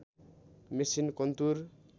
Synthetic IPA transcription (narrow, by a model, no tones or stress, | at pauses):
mesinkʌnt̪uɾ